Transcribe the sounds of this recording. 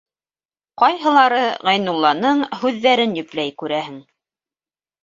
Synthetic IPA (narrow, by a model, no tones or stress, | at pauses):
qɑjɦɤ̆lˠɑɾɤʁɑ̆jnulˠːɑnɤɴhʉðːæɾɘnjɵ̆plæjkʉɾæɦɘŋ